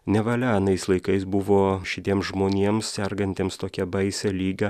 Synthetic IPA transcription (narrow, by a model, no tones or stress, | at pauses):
nʲɛʋɐlʲæːnɐɪslˠɐɪkɐɪsbʊʋoːʃʲɪt̪ʲiɛmsʒmoːnʲeɛmssʲɛɾɡɐnʲt̪ʲeːmst̪oːkʲɛbɐɪsʲɛlʲiːɡɐ